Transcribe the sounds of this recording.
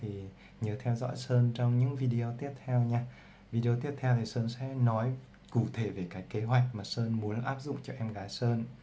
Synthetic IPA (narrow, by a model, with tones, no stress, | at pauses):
t̪ʰi˨˩ | ɲəː˨˦t̪ʰɛ˧wzɔ̰˧˥jsəː˧nt͡ɕɔ˧wŋ͡mɲɨ̰˧˥ŋvi˧ɗi˧ʔo˧t̪i˦˥əp̚t̪ʰɛ˧wɲaː˧ | vi˧ɗi˧o˧t̪i˦˥əp̚t̪ʰɛ˧wt̪ʰi˨˩səː˧nsɛ̰˧˥nɔ˨˦j | ku˧˩t̪ʰe˧˩ve˨˩kaː˨˦jkːe˨˦ɦwa˨˩jk̟̚maː˨˩səː˧nmu˨˦ənʔaː˦˥p̚zʊ̰˧˨ŋ͡mt͡ɕɔ˧ʔɛ˧mɣaː˨˦jsəː˧n